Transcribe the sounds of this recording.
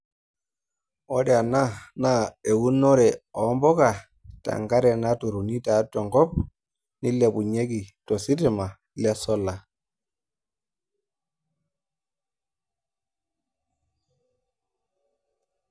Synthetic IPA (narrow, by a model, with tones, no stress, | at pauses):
ɔ˦ɾja˨na˦na˦e˨wu˦nɔ˦ɾɛ˨ɔ˨˦mbɔ˦ka˨ | ta̰˨ŋɡa˦ɾɛ˨na˦tu˨ɾu˨ni˦ta˨˦tɔ˨ŋɡɔ˦p̚ | ni˦lɛ˨pu˨ɲe˦ki˨tɔ˨si˦ti˦˨ma˨ | lɛ˦sɔ˦la˨